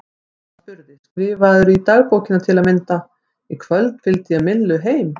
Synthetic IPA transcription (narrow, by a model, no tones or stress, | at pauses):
pʏɾðɪskɾɪːvaðʏɾit̪aɣpowcɪnat̪ʰɛlamɪnt̪a | ikʰvœlt̪n̥fɪlt̪ɪaðmɪllːʏɦeːjm